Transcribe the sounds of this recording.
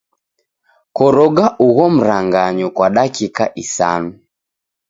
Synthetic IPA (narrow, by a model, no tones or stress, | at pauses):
kɔɾɔɡaʔuɣɔm̩ɾaŋɡaɲɔkwaɗakikaʔisa̰nu